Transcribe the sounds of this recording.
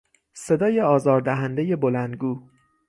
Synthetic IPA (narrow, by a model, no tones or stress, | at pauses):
se̞d̪ɒːje̞ɒːzɒːɾd̪æɦænd̪e̞je̞bolænd̪ɡuː